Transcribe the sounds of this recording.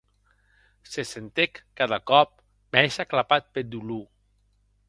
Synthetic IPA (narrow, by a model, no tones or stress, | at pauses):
sesent̪ekːaðakɔp̚ | meʃaklapat̪̚ped̪ulu